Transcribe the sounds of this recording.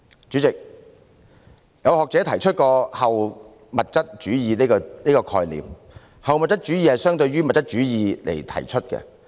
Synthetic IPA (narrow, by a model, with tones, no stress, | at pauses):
t͡ʃyː˨˥t͡sɪ˨k̚ | jɐ˨˧whɔː˨k̚t͡sɛː˨˥t̪ʰɐ˨˩jt͡ʃʰɵ˥t̚kɔː˧hɐ˨w | mɐ˨t̚t͡sɐ˥t̚t͡ʃyː˨˥jiː˨˧liː˥kɔ˧liː˥kɔː˧kʰɔ̰ː˧jlḭː˨m | hɐ˨wmɐ˨t̚t͡sɐ˥t̚t͡ʃy˨˥jiː˧hɐ˨jsœː˥ŋt̪ɵ˧ɥɥyː˥mɐ˨t̚t͡sɐ˥t̚t͡ʃyː˨˥jiː˨˧lʔḛ˨˩jt̪ʰɐ̰˨˩jt͡ʃʰɵ˥t̚kɛ̰˧